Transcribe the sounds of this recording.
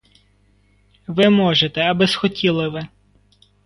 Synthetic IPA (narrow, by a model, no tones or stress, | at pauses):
ʋɪmɔʒet̪ɛɐbɪzxɔtʲʰilˠɪʋɪ